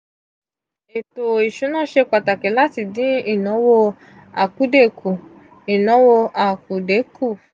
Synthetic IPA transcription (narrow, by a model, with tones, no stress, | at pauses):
e˨to˨i˨ʃu˨˦nã˦˨ʃe˧k͡pa˨ta˨kɛ˨˦la˦ti˧˨dĩ˨˦i˦˨nɔ̃˨˦wo˧ | a̰˨ku˨˦de˦˨kʰu˨ | i˨nɔ̃˨˦wo˧a˨ku˨de˨˦ku˦˨